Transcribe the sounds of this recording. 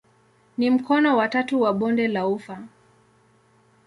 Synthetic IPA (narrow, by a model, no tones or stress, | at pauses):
nim̩kɔnɔwatatuwaɓɔndɛlaufa